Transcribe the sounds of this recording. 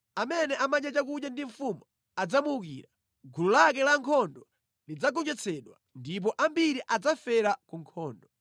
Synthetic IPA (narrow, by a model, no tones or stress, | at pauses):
amɛnɛʔamaɲat͡ʃak̬uɗjandiɱ̩fumɔ | ad͡zamuukḭːɾa | ɡululak̬ɛlaŋkʰɔndɔ | lid͡zaɡɔnd͡ʒɛt͡sʰɛɗwa̰ndip̬ɔʔambiɾiʔad͡zafɛɾakuŋkʰɔːndɔ